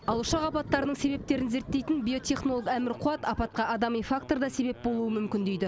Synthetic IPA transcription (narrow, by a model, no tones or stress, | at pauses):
ɑlˠəʃɑqɑpɑt̪ːɑɾənəɴse̞be̞p̚t̪e̞ɾɪnze̞ɾt̪ːe̞jt̪ɪnbʲijo̞t̪ʰʲe̞χno̞lˠokæmɪɾqʰʊɑt̪ɑpɑt̪̚qɑɑd̪ɑmijfakt̪o̞ɾd̪ɑse̞be̞p̚bo̞lˠuəmʏmkʲɪnd̪ejd̪ɪ